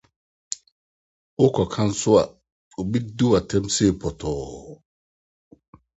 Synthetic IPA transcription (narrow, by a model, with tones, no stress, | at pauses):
ʔo˦kɔ˨kʰa˦nsʊ˦wa̰˨ | u˨bi˦du˦wa˨tɛ˦mseː˦˨pɔ˨tʰɔː˨